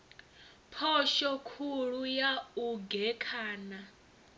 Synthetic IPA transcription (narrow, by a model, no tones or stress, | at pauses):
pʰɔʃɔkʰuɺujauɡɛkʰaːna